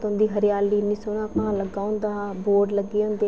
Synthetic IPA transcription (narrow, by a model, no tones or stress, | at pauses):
t̪ʊ̃nd̪iːɦəɾɪjaːliːnisoːnãːpãːləɡãːʊnd̪aːboːɖləɡeːʊ̃nd̪eː